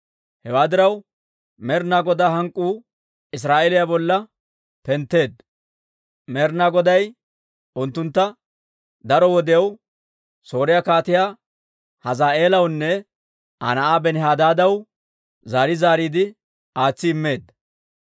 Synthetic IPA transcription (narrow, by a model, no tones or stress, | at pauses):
hɛwaːd̪ɪɾɐw | mɛɾnaːɡɔd̪aːɦɐŋkʼːuː | ɪs̬ɾaːʔeːlɪjabɔlːɐ | pɛnt̪ːe̞ːd̪ | mɛːɾnaːɡɔd̪ɐj | ʔʊnt̪ːʊnt̪ːɐ | d̪ɐɾɔwɔd̪ɪjɐw | so̞ːɾɪjakaːt̪ɪjaː | hɐzaːe̞ːlɐwnːɛ | ʔɐ̰nɐʔaːbɛnɪɦaːd̪aːd̪ɐw | zaːɾɪzaːɾiːd̪ɪ | aːt͡sːɪːmːe̞ːd̪ːɐ